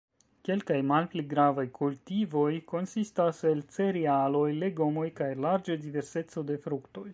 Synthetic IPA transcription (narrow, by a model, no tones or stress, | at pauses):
ke̞lkajmalpliɡɾavajkʰultivo̞jko̞nsistase̞lt͡se̞ɾialo̞jle̞ɡo̞mo̞jkajlaɾd͡ʒadive̞ɾse̞t͡so̞de̞fɾukto̞j